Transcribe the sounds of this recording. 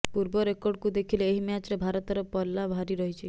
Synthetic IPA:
puɾbɔɾekɔɾɖkud̪ekʰileːɦimjat͡ʃɾebʱaɾɔt̪ɔɾɔpɔlːabʱaɾiɾɔɦit͡ʃʰi

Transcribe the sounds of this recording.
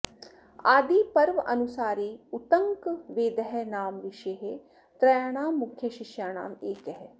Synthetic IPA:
aːd̪iːpɐɾʋʔɐnusaːɾeːut̪ɐŋkʋeːd̪əɦɛnaːmʋɪʃeɦe | t̪ɾɐjaːɽ̃aːmːukʰjəʃɪʃjaːɽ̃a̰ːmeːkəɦɛ

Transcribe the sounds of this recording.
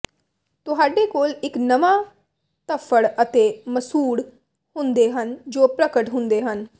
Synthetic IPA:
t̪ʊɦaːɖeːkoːlɪknəʋãː | t̪əpʰəɽət̪eːməsuːɽ | hʊ̃nd̪eːɦənd͡ʒoːpɾəkəʈɦʊ̃nd̪eːɦən

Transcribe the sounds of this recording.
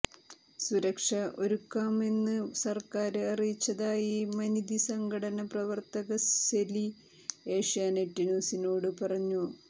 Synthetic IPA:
suɾɐkʂɐʔo̞ɾukːaːme̞nːɨsɐrkaːɾɨɐrijt͡ɕːɐðaːjimɐnid̪isɐŋɡɐɽɐnɐprɐʋɐrt̪ɐɣɐeli | eːʂijaːneʈːinoːsinoːɽɨpɐrɐɲːu

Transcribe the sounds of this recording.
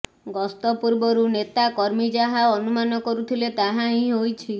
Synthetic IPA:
ɡɔst̪ɔpuɾbɔɾunet̪akɔɾmid͡ʒaɦaɔnumanɔkɔɾut̪ʰilet̪aɦãɦĩɦojt͡ʃʰi

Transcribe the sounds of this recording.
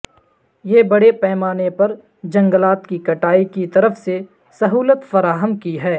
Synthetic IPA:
jeːbɐɽepɛːmaːnepɐɾ | d͡ʒɐ̃ŋɡəlaːt̪kikɐʈaːikit̪ɐɾəfse | sɐɦuːlət̪fɐɾaːɦəmkiɦɛː

